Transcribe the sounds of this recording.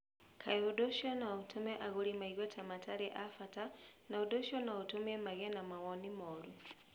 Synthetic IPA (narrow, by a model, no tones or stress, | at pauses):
kʰaɛɔɗɔʃɔnautʰumɛʔaɣuɾimaiɣwɛtʰamatʰaɾɛʔafatanauɗɔʃɔnautumɛmaɣɛnamawɔnimɔɾu